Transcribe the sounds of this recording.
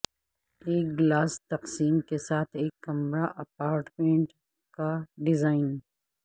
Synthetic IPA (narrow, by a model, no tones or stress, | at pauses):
eːk̚ɡlaːst̪ɐqsiːmkesaːt̪ʰeːkːɐmɾaʔɐpaːɾʈmẽɳʈ | kaɖɪzaːɪn